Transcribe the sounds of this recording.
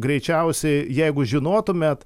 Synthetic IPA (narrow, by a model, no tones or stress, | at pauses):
ɡɾʲɛɪt͡ʃʲɛʊsʲɛɪjɛɪɡʊʒʲɪnoːt̪ʊmʲet̪